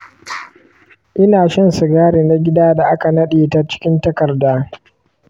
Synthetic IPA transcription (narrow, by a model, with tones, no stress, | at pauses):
ʔɪ˦naː˨ʃɐ˦nsʊ˨ɡaː˦ɽeː˨na˦ɡʲɪ˦daː˦da˨ʔa˦ka˨nɐ˦ɗeː˨ta˦t͡ʃɪ̥˦kʲɪ˦ntɐ˦kɐ˨rdaː˦